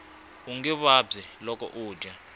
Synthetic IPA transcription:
uŋiβabzɛlɔk̬ʼɔ̰ʔu̥ːd͡ʒʱa

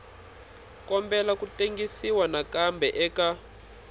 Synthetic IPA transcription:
kɔmbɛlakuteŋɡisiwanakambʱɛʔɛka

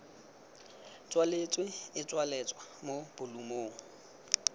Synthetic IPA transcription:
t͡sʼwalet͡sʼwɪɪt͡sʼwalɛt͡sʼwamob̥ʊlumoːŋ̩

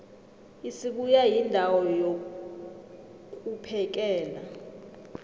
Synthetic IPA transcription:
isiɓujajindʱawɔjo | kʼupʰɛk̬ɛːla

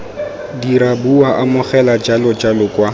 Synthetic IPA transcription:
diɾabuaʔamʊχɛlad͡ʒalʊd͡ʒalʊkʼwa

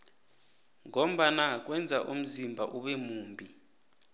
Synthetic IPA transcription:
ŋɔm̩ɓanak̬ʼwɛnd͡zʱaʔum̩zimbʱaʔuɓɛmuːmbʱi

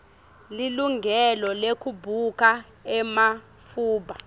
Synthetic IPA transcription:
liluŋɡʱɛlɔlekʰubʱukʰʼa | ɛma | fuːɓa

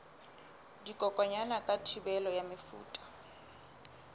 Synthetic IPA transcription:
dikʼɔkʼɔɲanakʼatʰibɛlɔjamɪfṵːtʼḁ

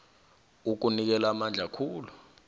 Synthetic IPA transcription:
uk̬unik̬ɛlamand͡ɮʱakʰuːlu

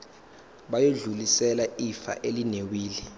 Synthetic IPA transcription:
ɓajoɮulisɛlaifa̰ʔelinewiːlɛ

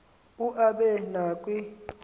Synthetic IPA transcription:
uʔaɓɛnaːkʼwi

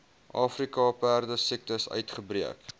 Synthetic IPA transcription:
ʔɑːfrikɑpærdəsik̚təsœ̰ɥtχəbriək

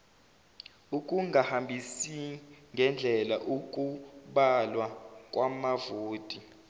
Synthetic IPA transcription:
ukʼuŋʱahambʱisiŋɡʱɛnd͡ɮʱɛlaʔukʼuɓalwakʼwamavoːtʼi

